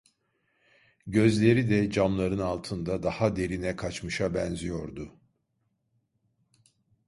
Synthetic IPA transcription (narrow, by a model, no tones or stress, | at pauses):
ɟø̞zlʲe̞ɾid̪ɛd͡ʒamlˠaɾɯnalˠt̪ʰɯnd̪ad̪ahad̪e̞ɾinɛkʰat͡ʃmɯʃabɛnzijo̞ɾd̪ʊ